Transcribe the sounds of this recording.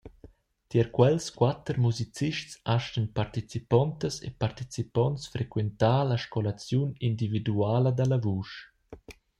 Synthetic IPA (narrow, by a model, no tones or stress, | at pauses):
t̪jɛɾkwɛlskwat̪əɾmuzit͡siʃtsaʃtənpart̪it͡sipɔnt̪əsḛpart̪it͡sipɔnsfɾekwent̪aːlaʃkolat͡sjunind̪ivid̪uaːləd̪alavuːʃ